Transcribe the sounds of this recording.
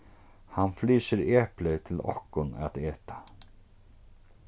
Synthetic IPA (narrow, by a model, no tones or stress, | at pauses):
hanfliːsɪɾeːhplɪt̪ʰɪlɔ̰hkʊna̰t̪eːt̪ḁ